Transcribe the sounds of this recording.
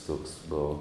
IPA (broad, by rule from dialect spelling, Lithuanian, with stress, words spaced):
tuɔks ˈboːʋoː